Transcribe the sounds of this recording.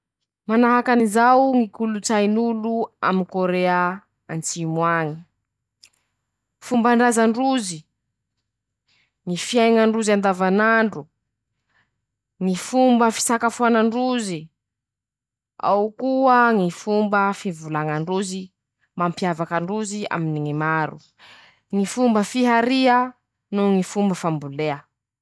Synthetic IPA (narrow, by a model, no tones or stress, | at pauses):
manaɦakanizawŋikulut͡sajnulua̰minkoɾea | ant͡simwaŋi̥ | fumbaɳɖ͡ʐazaɳɖ͡ʐuzi | ŋifjajŋaɳɖ͡ʐuziand̪avanaɳɖ͡ʐu | ŋifumbəfi̥sakafuanaɳɖ͡ʐuzi | a̰wkuəŋifumbəfivulaŋaɳɖ͡ʐuzi | mampiavakəɳɖ͡ʐuzia̰miniŋimaɾṵ | ŋifumbəfiɦaɾiə | nuŋifumbəfambuleə